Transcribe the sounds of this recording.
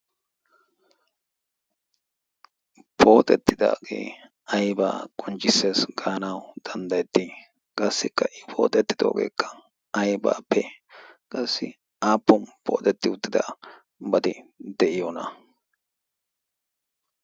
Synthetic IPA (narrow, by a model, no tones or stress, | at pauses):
pʰo̞ːt̪ʼɛt̪ːɪd̪a̰ːɡḛː | ɐjba̰ːkʼʊnt͡ʃːɪsːe̞ːsɡɐhɐnɐwd̪̥ɐnd̪ɐjɛt̪ːi | kʼɐsːɪkːɐʔɪpʰo̞̰ːt̪ʼɛt̪ːɪ̥d̪o̞̰ːɡe̞̰ːkːɐ̥ | ɐjba̰ːpːɛkʼɐsːɪ | aːpːɔnpʰo̞̰ːt̪ʼɛt̪ːɪʊt̪ːɪd̪aː | bɐd̪ɪd̪ɛʔɪjɔnɐ